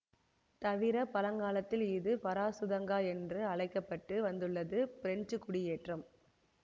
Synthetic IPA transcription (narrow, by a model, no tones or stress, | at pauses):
t̪ɐʋɪɾɐpɐlɐŋɡaːlɐt̪ːɪlɪðɯpɐɾaːsʊðɐŋɡaːɛndrɯɐɭɐɪkːɐpːɐʈːɯʋɐnd̪ɯɭːɐðɯpɪɾɛnd͡ʒɯkːʊɽɪjeːʈrɐm